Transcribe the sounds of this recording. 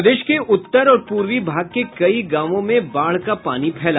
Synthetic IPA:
d̪eːʃkeʔʊt̪ːəɾɔːɾpuːɾʋibʱaːɡ̚kekɐiɡaːʋõmẽbaːɭ̤kapa̰ːnipʰɛːla

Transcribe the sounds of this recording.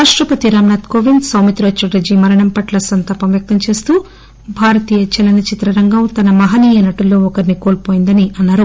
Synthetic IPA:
aːʂʈɾɐpɐt̪iɾaːmnaːt̪koʋinɖsɐwmit̪ɾoːt͡ʃuɖɐd͡ʒimɐɾɐɳɐmpɐʈlɐsɐnt̪ɐːpɐmʋjɐk̚t̪ɐmt͡ʃe̞ːst̪uː | bʱaːɾɐt̪iːjɐt͡ʃɛlɐnɐt͡ʃit̪ɾɐɾɐŋɡɐmt̪ɐnɐmɐɦɐniːjɐnɐʈulːo̞ːɔkɐɾnikoːlpoːjind̪ɐniʔɐnːaːɾu

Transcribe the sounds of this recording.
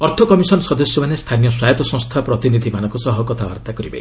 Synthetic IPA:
ɔɾt̪ʰɔkɔmisɔnɔsɔd̪ɔsjɔmanest̪ʰanijɔswajɔt̪ɔsɔ̃ŋst̪ʰapɾɔt̪inid̪ʱimanɔ̃ŋkusɔɦɔkɔt̪ʰaa̰ɾt̪akɔɾibḛ

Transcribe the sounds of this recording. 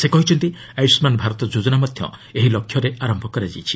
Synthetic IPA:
sekɔɦit͡ʃʰɔnt̪i | ajsmanbʱaɾɔt̪ɔd͡ʒud͡ʒɔnamɔd̪ʱjɔ̰eɦilɔkʰjɔɾeaɾɔmbʱɔkɔɾad͡ʒajt͡ʃʰi̥

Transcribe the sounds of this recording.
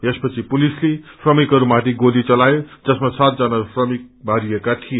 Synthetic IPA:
espʌt͡sʰipulisleprʌmikɦʌɾumat̪ʰiɡolit͡sʌlajod͡zʌsmasat̪̚d͡zanapʰrʌmik̚bʱaɾijekat̪ʰije

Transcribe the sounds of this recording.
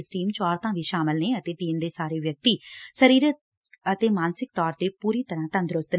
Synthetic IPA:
sʈiːmt͡ʃɔːɾt̪ãːʋiːʃaːmɪlneːət̪eːʈiːmd̪eːsaːɾeːʋjək̚t̪iːsəɾiːɾət̪ | ət̪eːmaːnsɪk̚t̪ɔːɾt̪eːpuːɾiːt̪əɾãːt̪ə̃nd̪ɾʊst̪n

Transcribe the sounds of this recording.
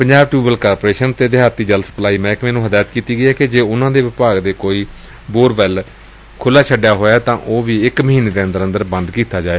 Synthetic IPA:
pəɲd͡ʒaːb̚ʈɾuːbəlkaːɾpoːɾeːʃənt̪eːd̪ɪɦaːt̪iːd͡ʒəlsə̥plaːiːmɛ̃ːkmɛːnũːɦəd̪aːjət̪kiːt̪iːɡəɛːked͡ʒeːʊnãːd̪eːʋɪpaːɡd̪eːkoːiː | boːɾbɛl | kʰʊlːaːt͡ʃʰəɖjaːɦoːjaːt̪ãːʔoːʋiːɪkməɦiːneːd̪eːənd̪əɾə̃nd̪əɾbə̃nd̪kiːt̪aːd͡ʒaːeː

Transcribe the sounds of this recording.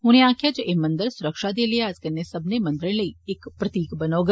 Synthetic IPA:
ɦʊnẽãːkʰjad͡ʒɐʔemɐ̃nd̪əɾsʊɾəkʃad̪eliaːd͡ʒkɐnːesɐbnemɐ̃nd̪ɾə̃ləiɪkpɾɐt̪iːkbɐnoːɡa

